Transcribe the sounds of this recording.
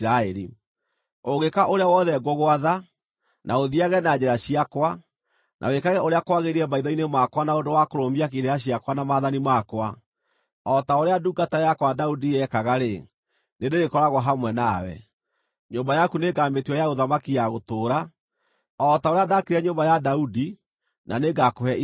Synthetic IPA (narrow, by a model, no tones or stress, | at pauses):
aɛɾḭ | oɣekaʔoɾeawɔðɛɡoɣoaða | nʔaoðiaɣɛnad͡ʑeɾaɕiakwa | nʔa̰wekaɣɛoɾeakwaɣeɾiɛmaiðɔinemakwanaondowakoɾombiakeɾeɾaɕ̬iakwanamaðanimakwa | ɔtaoɾeaduːɡatajakwadaudiɛkaɣaɾe | nedeɾekɔɾaɣwaɦamwɛnawɛ̰ | ɲobajakuneɡametwɔjaɣoðamakiaɣotoːɾa | ɔtaoɾeadakiɾɛɲombajadaudi | naneɡakoɛ